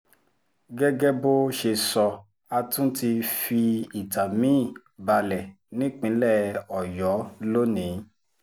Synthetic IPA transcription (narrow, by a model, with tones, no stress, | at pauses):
ɡɛ˦ɡɛ˦bo˦ʃe˧sɔ˧ | a˧tũ˦ti˧fi˧i˨ta˨mĩ˦˨ | ba˧lɛ˨ | nĩ˦k͡pĩ˨˦lɛ˦˨ɔ˨jɔ˨˦lo˦nĩ˨˦